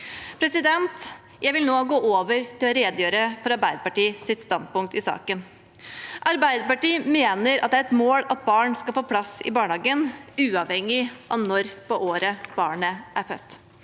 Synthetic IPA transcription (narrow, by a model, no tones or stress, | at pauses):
pʰɾɛsɪd̪ɛnt̪ | jʔæɪʋɪlnoːɡoːʔoːʋəɾt̪ʰɪlɔɾeːd̪jøːɾəfɔɾɑɾbæɪd̪əpɑʈiːsɪt̪st̪ɑnd̪̚pʊŋk̚t̪ɪsɑ̰ːkən | ʔɑɾbæɪd̪əpɑʈiːmeːnəɾɑt̪̚d̪ɛæːɾɛt̪moːlɑt̪̚bɑːɳskɑlfoːpʰlɑsɪ̰bɑːɳhɑːɡənʉːɑʋhɛŋːɪʔɑnɔɾpɔʔoːɾəb̥ɑːɳəʔæɾfœ̰t̪ː